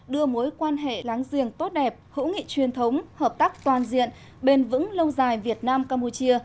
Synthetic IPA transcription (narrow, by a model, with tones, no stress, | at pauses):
ɗɨ˧əmo˨˦jkwaː˧nɦḛ˧˨la˨˦ŋzi˨˩əŋt̪o˦˥t̚ɗɛ˨˩p̚hɨ̰˧˥ŋḭ˧˨t͡ɕwi˨˩ənt̪ʰə˨˦wŋ͡mhəː˨˩p̚t̪aː˦˥k̚t̪waː˨˩nzḭ˧˨ən | ɓe˧nvɨ̰˧˥ŋlə˧wzaː˨˩jvi˨˩ət̚naː˧mkaː˧mpu˧t͡ɕi˧ə